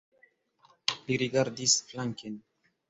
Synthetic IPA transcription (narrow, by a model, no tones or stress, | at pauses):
miɾiɡaɾdisflaŋken